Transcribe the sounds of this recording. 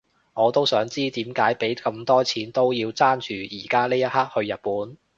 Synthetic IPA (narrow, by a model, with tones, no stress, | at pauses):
ŋɔː˨˧t̪o˥wsœː˨˥ŋt͡siː˥t̪iː˨˥mkaː˨˥jpe˨˥jkɐ˧mt̪ɔː˥t͡sʰiː˨˥nt̪o˥wjiː˧wt͡saː˥nt͡ʃyː˨˩jiː˨˩kaː˥liː˥jɐ˥t̚haː˥k̚hɵ˧ɥjɐ˨t̚puː˨˥n